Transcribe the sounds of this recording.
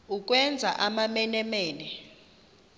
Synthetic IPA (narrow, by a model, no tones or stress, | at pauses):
uk̬ʼwɛnd͡zʱa̰ʔamamɛnɛmeːni